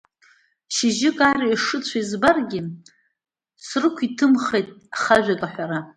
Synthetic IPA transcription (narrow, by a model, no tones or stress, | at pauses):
ʃiʒɪkʼaɾaiʂɨt͡ɕʷʰaizbarɡʲɪ | srɨkʷʰitʰɨmχejtʼaχaʒᶣakʼaħʷᶣaɾa